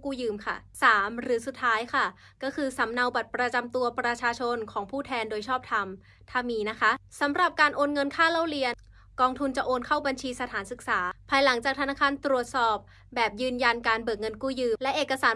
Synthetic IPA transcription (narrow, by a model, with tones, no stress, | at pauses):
kuː˥˩jɯː˧mkʰa̰˥˩saː˩˦mɾɯː˩˦su˨˩t̪ʰːaː˦˥jkʰa˥˩ | kɔː˥˩kʰɯː˧sa˩˦mna˧wba˨˩t̪̚pɾa˧t͡ɕa˧mt̪u˧ɐpɾa˧t͡ɕʰaː˧t͡ɕʰo˧nkʰɔː˩˦ŋpʰuː˥˩t̪ʰɛː˧ndoː˧jt͡ɕʰɔː˥˩p̚t̪ʰa˧m | t̪ʰaː˧miː˧na˦˥kʰa˦˥ʔsa˩˦mɾa˨˩p̚kaː˧nʔoː˧nŋɤ˧nkʰaː˥˩la˥˩wɾi˧ən | kɔː˧ŋt̪ʰu˧nt͡ɕa˨˩ʔoː˧nkʰa˥˩wba˧nt͡ɕʰiː˧sa˧t̪ʰaː˩˦nsɯ˨k̚saː˩˦pʰaː˧jla˩˦ŋt͡ɕaː˨˩k̚t̪ʰa˧naː˦˥˩kʰaː˧nt̪ɾu˨˩ət̪̚sɔː˨˩p̚ | bɛː˨˩p̚jɯː˧nja˧nkaː˧nbɤː˨˩k̚ŋɤ˧nkuː˥˩jɯː˧˩mlɛ˦˥ʔeː˨˩kːa˧saː˩˦